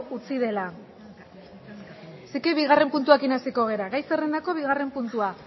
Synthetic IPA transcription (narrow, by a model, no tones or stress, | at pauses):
ut͡siðe̞la | sikeβiɣare̞mpunt̪uakinasiko̞ɣ̞e̞ɾaɣajsere̞nd̪ako̞β̞iɣare̞mpunt̪ua